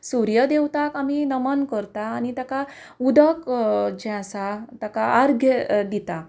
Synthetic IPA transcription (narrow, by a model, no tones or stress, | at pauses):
suɾjəd̪ewt̪akaminəmənkəɾt̪aːnit̪aka | ud̪əkd͡ʑɛ̃asat̪akaaɾɡʱjəd̪it̪a